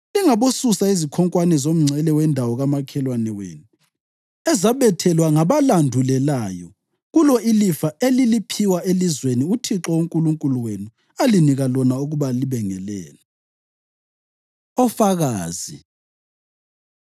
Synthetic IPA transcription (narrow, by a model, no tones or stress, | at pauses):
liŋaβosusaizikʰɔŋkʼwanɛzom̩ŋ͡ǀʱɛlɛwɛndʱawɔɣamakʰɛlwanɛwḛːnu | ɛzaβɛtʰɛlwaŋaβalandʱulɛlaːjɔ̰ | ɣulɔilifaelilipʰiwaʔelizweniutʰiǁɔuŋkʼuluŋkʼuluwenu | aliniɣalɔnauɣuβaliβɛŋɛlɛ̰ːlɛ | ɔfaɣa̰ːzḭ